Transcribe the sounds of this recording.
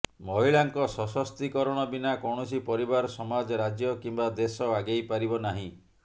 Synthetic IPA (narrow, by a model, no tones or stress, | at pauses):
mɔɦiɭaŋkɔsɔsɔst̪ikɔɾɔɽ̃ɔbinakɔwɳ̃ɔsipɔɾibaɾɔsɔmad͡ʒɔɾad͡ʒjɔkimbad̪esɔaɡejpaɾibɔnaɦĩ